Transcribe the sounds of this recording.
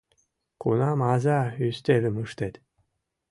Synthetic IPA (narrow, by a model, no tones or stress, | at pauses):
kṵnɑmɑzɑyst̪elʲɘ̆mɯʃt̪et̪